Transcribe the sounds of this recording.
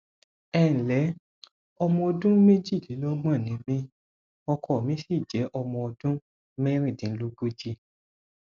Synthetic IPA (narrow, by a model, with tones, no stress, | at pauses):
ɛ˦˨n̩˨lɛ˨˦ | ɔ˧mɔ̃˧ɔ˧dũ˦me˦d͡ʒi˦˨li˨˦lɔ˦mã˦˨nĩ˨˦mĩ˦ | ɔ˧kʰɔ˨mĩ˨˦si˦˨d͡ʒɛ˨˦ʔɔ˧mɔ̃˧ɔ˧dũ˦ | mɛ˦ɾ̃ĩ˦˨dĩ˨˦lo˦ɡo˦d͡ʒi˦